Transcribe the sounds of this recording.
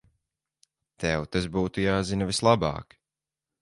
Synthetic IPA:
t̪ɛwt̪asbuːt̪ujaːzinɐvislˠabɑ̰ːk

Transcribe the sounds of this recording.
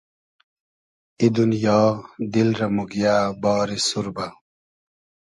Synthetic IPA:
id̪unjaːd̪ilɾɐmuɡijaːbɑːɾisuɾbɐ

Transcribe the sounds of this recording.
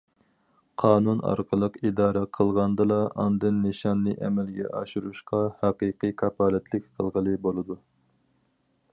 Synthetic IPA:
qʰɑːnunɑ̰ɾqʰəlˠəqid̪ɑːɾɛqʰəlˠʁɑnd̪ɨlˠɑʔɑ̰nd̪ɨnːɨʃɑnːɨʔɛmɛlɡʲɛ̰ʔɑʃuɾuʃqɑhɑqiqɨkʰɑpʰɑːlɛt̪ʰlɪk̚ʲqʰəlˠʁəlˠɨbolˠɨd̪u

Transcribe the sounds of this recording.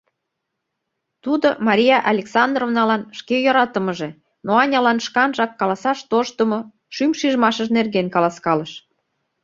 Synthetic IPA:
t̪ud̪omɑɾʲijɑʔɑlʲeksɑnd̪rovnɑlɑnʃkejoɾɑt̪əməʒe̽ | noɑnʲɑlɑnʃkɑnʒɑkːɑlɑsɑʃt̪oʃt̪əmo | ʃymʃiʒmɑʃəʒnerɣenkɑlɑskɑləʃ

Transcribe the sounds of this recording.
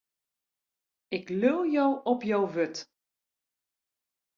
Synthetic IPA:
ɪklølˠjowʔɔpjowʋøt

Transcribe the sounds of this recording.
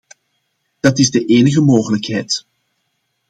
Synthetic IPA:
d̥ɑtɪzdəʔeːnəɣəmoːɣələkɦɛjt

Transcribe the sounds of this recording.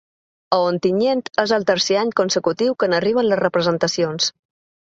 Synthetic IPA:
əont̪iɲent̪ezəlˠt̪əɾseaɲkunsəkut̪iwkənəriβ̞ənləzrəpɾəzənt̪əsions

